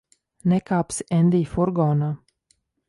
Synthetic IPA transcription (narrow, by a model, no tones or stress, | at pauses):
nɛkaːpsʔɛnd̪iːfuɾɡɔːnaː